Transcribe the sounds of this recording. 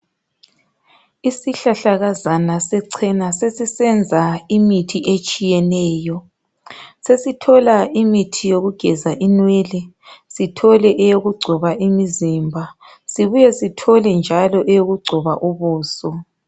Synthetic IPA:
isiɬaɬaɣazanasɛǀʰɛnasesisɛnd͡zʱaimitʰiʔet͡ʃʼijɛnɛːjɔ | sesitʰɔlaimitʰijoɣuɡ̥ʱɛzaʔinwɛlɛ | sitʰɔlɛʔjoɣuɡ͡ǀʱɔβaʔimizimbʱa | siβujɛsitʰɔlɛnd͡ʒʱalɔʔɛjoɣuɡ͡ǀʱɔβaʔuβuːsɔ

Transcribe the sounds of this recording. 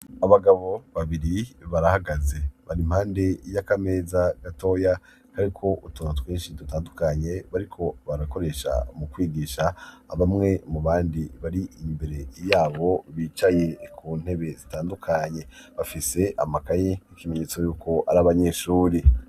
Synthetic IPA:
aβaɡaβo̞βaβiɾiβaɾahaɡaze̞βaɾim̥haːnde̞jakame̞ːzaɡ̥ato̞ːja | kaɾikʰo̞ʔutonotweːnʃidutaːndukaɲe̞βaɾikʰo̞βaɾako̞ɾe̞ʃa̰mukwiːɡiːʃaːβamŋe̞muβaːndiβaɾiʔimbe̞ɾe̞jaːβo̞βiːt͡ʃaje̞kʰuːn̥he̞βe̞zitaːndukʰaɲe̞βafise̞ʔa̰makaɲeikime̞ɲeːt͡so̞juːkʰo̞ʔaɾaβaɲe̞ʃuːɾi

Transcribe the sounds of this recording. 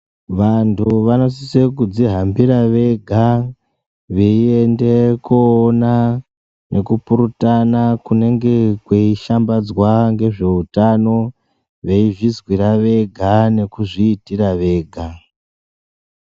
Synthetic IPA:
ʋantʰuʋano̞sisek̬ud͡ziɦambiɾaʋe̞ɡʱa | ʋeiende̞kuːna | nʔe̞kupuɾutanakune̞ŋɡe̞kweiʃambad͡zwaŋɡe̞ʐe̞utano̞ | ʋe̞iʐizwiɾaʋe̞ɡʱane̞kuʐiːtiraʋe̞ːɡʱa

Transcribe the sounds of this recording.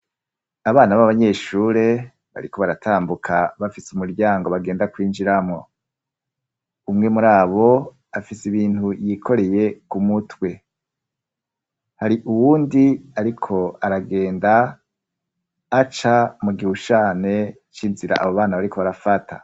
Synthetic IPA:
aβaːnaβaβaβaɲe̞ːʃuːɾe̞ | βa̰ɾiko̞βaɾatʰaːmbukʰaβafisumuɾɟaːŋɡo̞βaɡe̞ːndakwiːnd͡ʒiɾamŋo̞ | umŋe̞muɾaːβo̞ | afisiβiːntujikʰo̞ɾe̞je̞kumutwe̞ | haɾiʔuwuːndiaɾikʰo̞aɾaɡe̞ːnda | t͡ʃamuɡihut͡ʃaːne̞ | t͡ʃinziɾa̰ʔa̰βoβaːnaβaɾikʰo̞βaɾafatʰa̰

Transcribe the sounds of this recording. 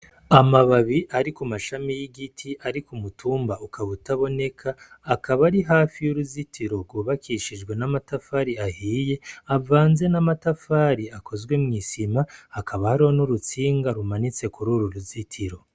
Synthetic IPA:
amaβaβiʔaɾikumaʃamijiɡitʰiʔaɾikumutʰuːmbaukaβutaβo̞ne̞kʰaːkaβaɾiɦaːfijuɾuzitʰiɾo̞ɾɡwuβakʰiʃid͡ʒɡwe̞namatafaːɾiahiːje̞avaːnze̞namatafaːɾiakʰo̞zwe̞mŋiːsimaːkʰaβahaɾiho̞nuɾut͡siːŋɡaɾumanit͡se̞kuɾuɾuɾuzitʰiɾo̞

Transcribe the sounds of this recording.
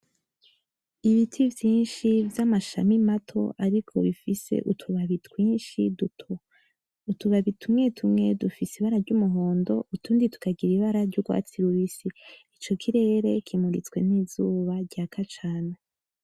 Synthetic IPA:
iβitʰivjiːnʃivjamaʃa̰mimatʰo̞̰ʔaɾikʰo̞̰βifise̞̰ʔutʰuβaβitwiːnʃiduo | utuβaβitʰumŋe̞tʰumŋe̞dufisiβaɾaɾɟumuɦo̞ːndo̞ʔutʰuːnditu̥kaɡiɾiβaɾaɾɟuɡwa̰ːt͡siɾuβisiit͡ʃo̞kʰiɾe̞ːɾe̞kʰimuɾḭt͡swe̞niːzuːβaɾɟakʰat͡ʃaːna

